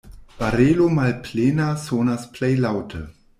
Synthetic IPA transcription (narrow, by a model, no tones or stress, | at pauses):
v̥aɾeːlomalpʰleːnasoːnasplejlawtʰə̰